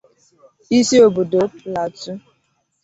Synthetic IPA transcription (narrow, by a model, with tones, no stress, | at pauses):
i˦si˦o˨bo˨do˨˦pla˨tu˦